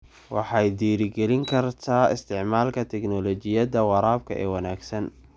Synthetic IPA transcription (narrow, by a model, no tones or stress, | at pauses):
wɑħɑjd̪iːɾɪɡɛlɪŋkʰɐrt̪ʰaːɪst̪ʰɪʕmaːlkʰɐt̪ʰɛknɔlɔt͡ʃɪjɐðɐwɑɾaːb̚kʰɐ̰ʔɛ̰ːwɑnaːɡsɐn